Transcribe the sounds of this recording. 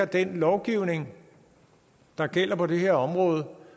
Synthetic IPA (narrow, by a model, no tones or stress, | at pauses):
ɐd̥enlɒʊɡ̥iʊ̰ne̝ŋ | d̥ɑ̈ɡ̥el̰ɐpʰɒ̽d̥e̝ɦe̝ɐɒ̽mʁɔ̽ːð̞̩ˠə